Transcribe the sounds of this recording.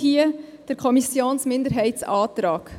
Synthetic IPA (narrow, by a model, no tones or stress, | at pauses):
hiəd̥əɾkʰɔmisjoːnsmɪndəɾɦɛɪtsɑːt̪ɾɑːk